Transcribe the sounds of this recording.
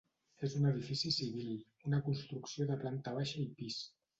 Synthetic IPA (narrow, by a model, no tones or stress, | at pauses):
ezunəð̞ifisisiβilˠ | unəkunst̪ɾuksioðəplant̪əβ̞aʃəipis